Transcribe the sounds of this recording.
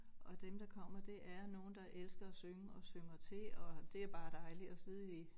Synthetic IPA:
ʔɒ̽d̥emd̥ɑ̈kʰɒ̽m̰ɐd̥e̝ʔæɐno̝ːn̩d̥ɑ̈ʔelsɡ̥ɐæsøŋəɒ̽søŋɐt͡sʰe̝ɒ̽d̥e̝æɐb̥ɑ̈ːd̥ɑ̈ɪliɒ̽siðˠe

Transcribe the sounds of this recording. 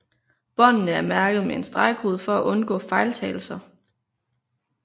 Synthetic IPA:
b̥ɒ̽nnəæɐmæɐɡ̥əð̞̩ˠmee̝nsd̥ʁɑ̈ɪɡ̥ho̝ːð̞̩ˠfɒ̽æʔɔ̽nɡ̥ɔ̰̽ːfɑ̈ɪlt͡sʰɛːɪl̩sɐ

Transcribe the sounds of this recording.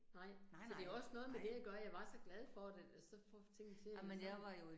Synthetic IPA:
nɑ̈ɪ̰sɒd̥e̝ɒ̽sənɔ̽ːð̞̩ˠmed̥e̝jɑ̈ɡ̥ɶɐjɑ̈ɪʋɑ̈sɒ̽ɡ̥lɛð̞ˠfɒd̥esɒ̽fɒ̰t͡sʰe̝ŋ̰n̩t͡sʰe̝mejʋɑjo

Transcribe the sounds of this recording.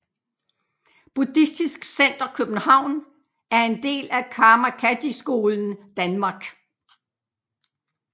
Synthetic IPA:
b̥ud̥isd̥isɡ̥sen̰d̥ɐkʰøb̥n̩hɑ̈ʊ̰n | æɐe̝nd̥e̝̰ːlækʰɑ̈ːmækʰæd̥isɡ̥o̝ːln̩d̥ænmɑ̈ɡ̥

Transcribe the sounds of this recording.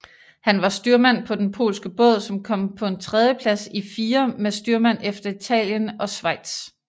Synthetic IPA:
hænʋɑ̈sd̥yɐmæn̰pʰɒ̽d̥enpʰo̝̰ːlsɡ̥əb̥ɔ̽ð̰ˠsɒ̽mkʰɒ̽m̰pʰɒ̽e̝nt͡sʰʁɛð̞ˠjəpʰlæsifiːɐmesd̥yɐmæn̰efd̥ɐit͡sʰɛ̰ːljənɒ̽sʋɑ̈ɪ̰d̥s

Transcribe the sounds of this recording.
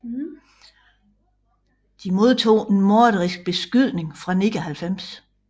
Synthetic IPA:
d̥imo̝ð̞ˠt͡sʰo̝̰ːe̝nmoɐɾ̥ɐʁisɡ̥̚b̥e̝sɡ̥yð̰ˠne̝ŋfʁɑ̈neɡ̥ɐɦælfem̰s

